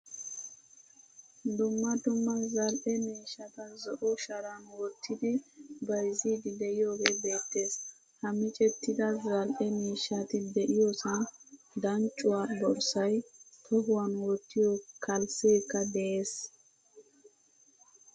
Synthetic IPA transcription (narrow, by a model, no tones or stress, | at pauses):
d̪ʊmːɐd̪ʊmːɐzɐlʔɛmiːʃːɐt̪ɐzɔʔɔʃɐɾɐnwɔt̪ʰːɪd̪ɪbɐjziːd̪ɪd̪ɛjɪjoːɡebe̞ːt̪ːe̞ːs | hɐmɪt͡ʃʼɛt̪ːɪd̪ɐzɐlʔɛmiːʃːat̪ɪd̪ɛʔɪjɔsɪn | d̪ɐnt͡ʃʼʊwaːb̪ɔɾsɐjt̪ʰɔɦʊwɐnwɔt̪ːɪjɔkʰɐlseːkːɐd̪ɛje̞ːs